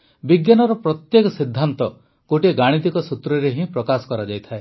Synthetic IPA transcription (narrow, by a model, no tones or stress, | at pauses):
biɡjanɔɾɔpɾɔt̪jekɔsid̪ʱːant̪ɔ | koʈieɡaɽ̃it̪̬ikɔsut̪ɾɔɾeɦĩpɾɔkasɔ̥kɔɾad͡ʒajt̪ʰae